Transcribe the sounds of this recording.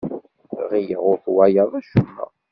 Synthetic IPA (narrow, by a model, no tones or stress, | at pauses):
ʁijəʁʊɾθwæjəðˤæʃumːæ̰